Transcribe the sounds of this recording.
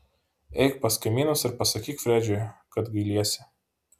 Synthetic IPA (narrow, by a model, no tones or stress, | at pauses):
ɛɪk̚pɐskɐɪmʲiːnosɪɾpɐsɐkʲiːkfʲɾʲæːd͡ʒʲojkɐt̪ɡɐɪlʲiɛsʲɪ